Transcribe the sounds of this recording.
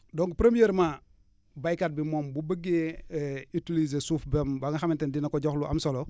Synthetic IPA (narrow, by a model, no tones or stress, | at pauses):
dɔŋkpɾemijeɾma | bajkat̚bimɔmbubəɡe | itiliz̬esufbembaŋaxamintendinakoɟɔxluʔa̰msolo